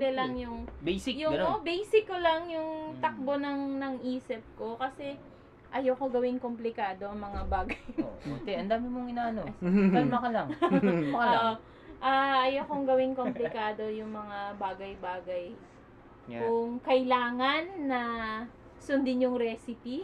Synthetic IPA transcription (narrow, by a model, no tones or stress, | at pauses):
d̪ɛlɐŋjʊŋbejsɪkjʊɡɐnbɛjsɪkːolɐŋjʊŋt̪ɐk̚bo̞nɐŋnɐŋʔiːsɪp̚ko̞kɐsɛ | ʔɐjokoɡɐwɪnkomplɪkaːd̪o̞ʔɐŋmɐŋabaːɡɐjoʊt̪ɛʔɐnd̪aːmɪmoŋɪnaːʔɐnoɐlmɐkɐlɐŋ | oʔo | ʔaɐjokoŋɡɐwɪŋkomplɪkaːd̪o̞jʊŋmɐŋabaːɡɐjbaːɡɐj | kʊŋkɐʔɪlaːŋɐnːɐ | sʊnd̪ɪnjʊŋɾɛːsɪpi